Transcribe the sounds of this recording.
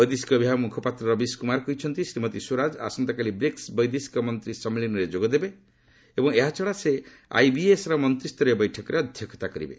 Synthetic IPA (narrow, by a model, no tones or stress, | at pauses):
bɔjd̪esi̥kɔbʱiɦamukʰɔpat̪ɾɔɾɔbiskumaɾkujt͡ʃʰʌnt̪isɾimʌt̪isoɾad͡ʒa̰sɔnt̪akalibɾeksbʌjd̪esi̥kɔmʌnt̪ɾisʌmelinɔɾed͡ʒoɡɔd̪ebe | ebɔŋeɦat͡ʃʰɔɽase | a̰jbiesɾɔmʌnt̪ɾist̪ɔɾjɔbɔjʈʰɔkɔɾeʌd̪ʱjɔkʰɔ̥t̪akɔɾḭbḛ